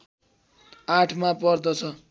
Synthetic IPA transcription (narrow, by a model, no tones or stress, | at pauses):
aʈʰmapʌrd̪ʌt͡sʰʌ